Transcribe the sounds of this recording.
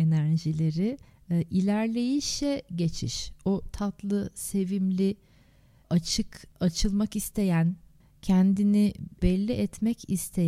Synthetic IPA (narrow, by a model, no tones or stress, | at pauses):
enæɾʒilʲe̞ɾɪ | ʔilʲæɾlʲe̞jiʃɛɟe̞t͡ʃʰḭʃot̪ʰat̪lˠɯse̞vimlʲi | at͡ʃʰɯkat͡ʃʰɯlˠmakist̪ʰe̞jæn | cʰɛnd̪inib̥ɛlʲːiʔɛt̪mɛcist̪ʰe̞j